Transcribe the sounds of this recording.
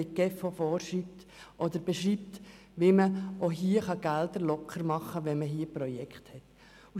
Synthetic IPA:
ɪɡ̥ɛfofɔːɾʃrip̚t̪ | ʔɔd̪əɾb̥ɛʃɾiːp̚t | ʋiməʔoɦiːəχɑɡ̥æld̪əɾlɔkʰəɾmɑχːəʋɛnməɦiːəprɔjɛkχthɛt̪ | u

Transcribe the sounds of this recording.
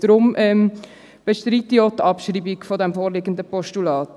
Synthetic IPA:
d̥ɾʊmʔɛm | b̥əʃtɾiːtiot̪ɑpʃriːbikfodɛmfoːɾlɪɡən̩dəpɔʃtulɑːt

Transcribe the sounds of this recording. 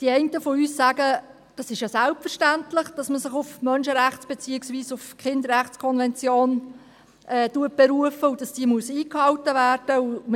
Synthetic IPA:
d̥iɛɪntəfɔyːssæːɡ̥ə | d̥ɑsɪʃjɑsælpfərʃtæntlɪχd̥ɑsməsɪχʊfmœnʃəɾæχt͡sb̥et͡siɪksviːsʊfkχɪnd̪əɾɾæχt͡skʰɔnvɛnt͡sjoːn | ʔɛːtuət̚b̥ɛɾuəfəud̥ɑsd̥iːmuəsiːkhɑltəvæːɾd̥əum

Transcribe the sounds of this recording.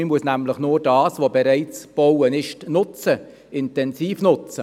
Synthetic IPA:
ɪmuəsnæmləχnʊːɾdɑːsʋobeɾɛɪt͡sb̥ɔwənɪʃtnʊt͡sə | ɪntɛnziːfnʊt͡sə

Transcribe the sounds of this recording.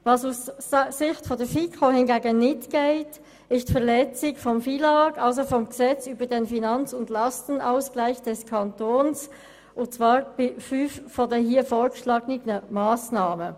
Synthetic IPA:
vɑsussɪçtfɔdɛːfikʰohɪnɡeːɡənɪtɡ̥eɪt | ɪstfɛʁlɛt͡sɪçfɔmfilɑkɑls̬ofɔmɡ̥əzɛt͡syːbədeːnfinɑnt͡sʊndlɑstənaʊsɡ̥laɪçd̥ɛskʰɑntʰoːns | ʔʊt͡sv̥aːʁbɪfyffɔdeːɦiːfoːɡəʃlɑːɡnɪɡənəmaːsnaːmə

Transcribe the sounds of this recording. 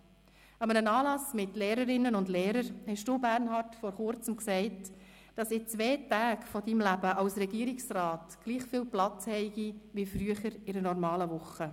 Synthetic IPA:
ɑmənənɑːlɑsmɪtleːɾəɾɪnːənʊndleːɾəɾhɛʃduːbæɾnɦɑɾtfɔɾχʊɾt͡səmksɛɪt | d̥ɑsɪt͡sʋɛːtæːkfɔdimlæb̥əʔɑwsɾɛɡiəɾɪksɾɑːtɡ̥liːχfiːlplɑt͡shɛɪɡ̥iʋifɾyəχəɾɪɾənɔɾmɑːləʋʊχə

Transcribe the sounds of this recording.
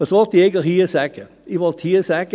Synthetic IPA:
ʋɑsʋɔltieɪɡn̩tləxhiːsɛɡ̥ə | iʋɔlthiːəsæɡ̥ə

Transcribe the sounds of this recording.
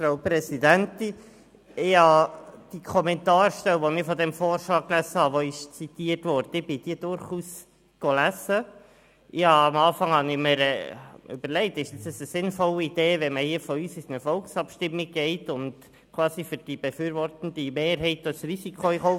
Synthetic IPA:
fɾaʊpɾɛsid̪ænt̪i | ɪhɑd̥ikʰɔmɛntɑːɾʃtɛwʋɔnɪfɔd̪ɛmfoːɾʃlɑːklæsəhɑʋoɪʃt͡sit̪iːəɾtʋɔɾdəɪb̥ɪd̥iːəd̥ʊɾχuːs | ɡ̥olæzə | ʔɪhɑɑmɑːfɑŋhɑnɪməɾɛ̰ø̰b̥əɾlɛɪtɪʃdɑsəsəsɪnfɔləid̥eːʋɛməhiəfɔyːsisnəfɔlksɑpʃtɪmːiɡ̥ɛɪtʊnd | kʰʋɑːsifʏɾd̥ib̥ɛfyːɾʋɔrtənd̥̪imeːɾɦɛɪtɔsrisikʰoɪχoʊ

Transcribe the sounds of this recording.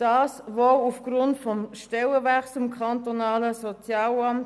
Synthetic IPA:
d̥ɑːsvoufɡ̥rʊntfɔmʃtɛləvæt͡sʊmkʰɑntonɑːləsot͡sjɑːlɑmt

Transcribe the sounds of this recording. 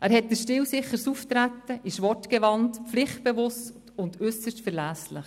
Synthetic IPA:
ʔæːɾhɛt̚dəsʃtɪwsɪχəɾsuft̪ɾætːəʔɪʃʋɔtɡ̥ɛʋɑntflɪχt̚b̥evʊstt | ʊndʏsəʃtfəɾlæːslɪ̰χ

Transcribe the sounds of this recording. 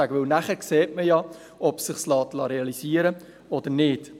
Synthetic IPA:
æɡəʋɪlnæχəɾkseːtməjɑ | ɔpsɪχslɑːtlɑɾeɑlisiːəɾə | ɔdəɾnɪt

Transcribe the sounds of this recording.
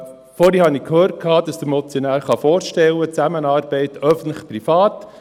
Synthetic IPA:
fɔːɾihɑnikhøːɾt̚kʰɑːd̥ɑsd̥̪əɾmɔt͡sjonæːɾχɑfoːɾʃtɛwːət͡sæmənɑːɾbɛɪtœfn̩t̪ləχpɾifɑːt

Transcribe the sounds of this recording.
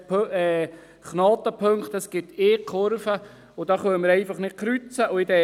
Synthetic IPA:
ɛ | χnɑːt̪əpʰøŋkt̪ɑsɡ̥ɪt̪eːkʰoɾfə | ʊd̥ɑːχœnəmɪɾɛɪfɑχnɪt̚kɾyt͡səʔʊɪdɛ

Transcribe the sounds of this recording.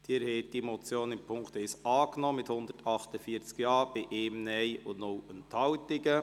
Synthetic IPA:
d̥iɾhɛːt̚d̥imɔt͡sjoːnɪmpʰʊŋkt̪ɛsɑːknɔmɪthʊnd̥̪ətʰɑχtəfiət͡skjɑːɾb̥ɪʔeːmnɛɪʊnowənthɑwtɪɡə

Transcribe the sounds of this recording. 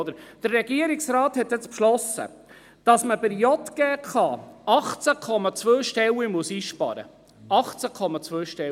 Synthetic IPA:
d̪əɾd̥əɾːɛɡ̥iəɾɪksɾɑːthɛt̪jɪt͡spʃlɔsə̰ | d̥ɑsməbəɾjɔt̪ɡ̥ɛːχɑɑχt͡sakʰɔmɑt͡svʋøːʃtɛwimuəsiːʃpɑ̰ɾə̰ | ɑχt͡sækʰɔmɑt͡sʋøːʃtɛ

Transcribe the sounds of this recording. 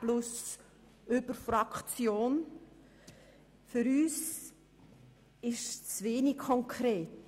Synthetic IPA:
plʊs | ʔøbəɾfɾɑkt͡sjoːn | fʏɾyːs | ɪʃt͡sveːnikkʰːɔŋkʰɾeːt

